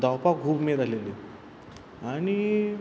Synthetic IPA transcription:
d̪awpak̚ɡʱuːbmet̪aleli | aɽ̃i

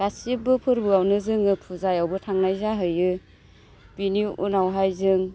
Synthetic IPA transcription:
ɡasibɯpʰɯɾbɯawnɯzɯŋɯpʰuzajawbɯtʰaŋnajzaɦɯjɯ | b̥iniṵnawɦajzɯŋ

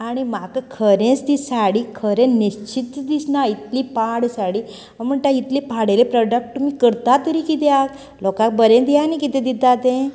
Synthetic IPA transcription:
aɽ̃imakəkʰəɾẽst̪isaɽiːkʰəɾẽniɕt͡ɕit̪ːd̪isnait̪lipaɽsaɽi | m̤əɳʈait̪lipʰaɽelepɾɔɖək̚ʈmiːkəɾt̪at̪əɾikit̪ak | lɔkãk̚bəɾẽd̪ijanikit̪ɛ̃d̪id̪at̪ẽ

